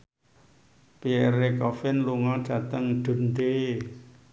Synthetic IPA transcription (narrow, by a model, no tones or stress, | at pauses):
peɛɾekɔfɪnluŋɔd̥ä̤t̪əŋɖ̪̥ṳnd̪e